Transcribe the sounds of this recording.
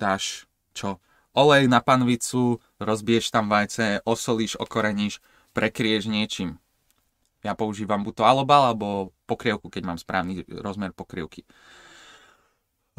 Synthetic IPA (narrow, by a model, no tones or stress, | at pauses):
t̪aːʃ | t͡ʃɔ | ʔɔlɛjnapanʋit͡su | ɾɔzbiɛʃt̪amʋajt͡sɛɔsɔliʒɔ̰kɔɾɛɲiʃ | pɾɛkɾiɛʒɲɪɛt͡ʃiːm | japɔuʒiːʋambut̪ɔalɔbalalɛbɔpɔkɾɪɛʊkukɛɟmaːmspɾa̰ːʊniɾɔzmɛɾpɔkɾɛ̰ʊki